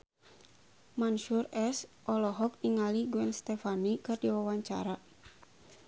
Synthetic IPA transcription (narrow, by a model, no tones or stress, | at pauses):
manʃurɛsʔɔlɔɦɔk̚niŋaliɡuɛnst̪ɛfanikɨrdiwawaɲt͡ʃa̰ɾa